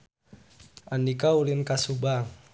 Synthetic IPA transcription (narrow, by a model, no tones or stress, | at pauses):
andikaulinkasubaŋ